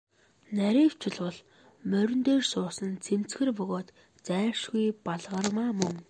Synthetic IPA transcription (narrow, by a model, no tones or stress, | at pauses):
næɾʲiːw̥t͡ɕʰɪ̆ɮwɔɮ | mœɾʲɵ̆nt̪eːrsʊːsə̆nt͡sʰem̥t͡sxɘ̆rpʊɣoːt̪ | t͡sæːrʃɡujpaɮʁə̆rmaːmɵŋ